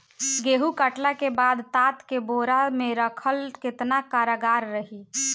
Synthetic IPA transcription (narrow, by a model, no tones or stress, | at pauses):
ɡeɦukəʈlakebad̪t̪at̪keboɾameɾəkʰəlket̪nakaɾaɡaɾːəɦi